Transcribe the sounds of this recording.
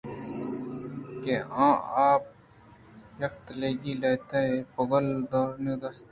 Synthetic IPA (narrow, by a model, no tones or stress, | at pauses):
keãːaːp̚ | jɐkt̪leːɡileːt̪eepəɡəld̪ɔːɾnod̪ɐst̪ː